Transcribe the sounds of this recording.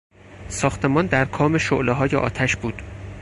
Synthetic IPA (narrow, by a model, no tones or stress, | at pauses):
sɒːxt̪ʰe̞mɒːnd̪æɾkʰɒːme̞ʃoʔleɦɒːjḛʔɒ̰ːt̪ʰæʃbuːd̪̥